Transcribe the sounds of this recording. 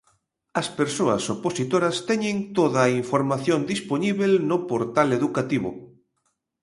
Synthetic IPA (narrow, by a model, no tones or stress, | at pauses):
ɐspeɾsoɐ̰soposit̪oɾɐst̪ɛɲẽnt̪oðaːiɱfoɾmaθjond̪isponiβelnopoɾt̪aleðukat̪iβo̰